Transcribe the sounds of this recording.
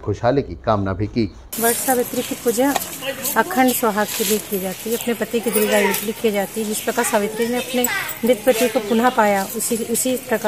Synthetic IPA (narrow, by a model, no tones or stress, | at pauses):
xʰoːʃɦaːlekikaːmnabʱikiː | ʋɐʈsaːʋɪt̪ɾikipʊd͡ʒəɐkʰə̃ɳɖsʋɐɦaːkilikied͡ʒaːt̪iɐpnepɐt̪ikid̪ɪɾiɡaːjuʈlikid͡ʒaːt̪iɦd͡ʒɪspɾɐkasaːʋɪt̪ɾineɐpnenɪt̪̚pɐt̪ikopʊnapaːjaʊsiʊsipɾɐka